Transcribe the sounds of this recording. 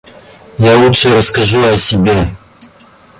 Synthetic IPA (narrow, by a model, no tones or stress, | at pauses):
jalutʂɨrəskɐʐuɐsʲɪbʲe